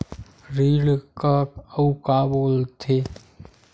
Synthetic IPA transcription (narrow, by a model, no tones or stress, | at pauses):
ɾiːɽkakəukaboːlt̪ʰeː